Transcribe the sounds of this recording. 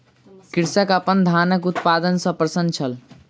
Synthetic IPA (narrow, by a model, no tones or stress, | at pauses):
kiɾsəkəpənd̪ʱanəkut̪pad̪ənsə̃pɾəsənt͡ʃʰəl